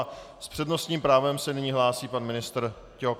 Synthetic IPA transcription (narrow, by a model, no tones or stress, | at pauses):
spr̝̥ɛdno̞st̪ɲiːmpɾaːvɛmsɛnɪɲiːɦlaːsiːpanmɪnɪst̪ɾ | cɛɦok